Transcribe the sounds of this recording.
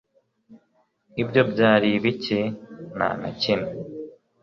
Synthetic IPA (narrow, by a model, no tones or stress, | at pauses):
ibɟo̞bɟaːɾiβicena̰na̰cine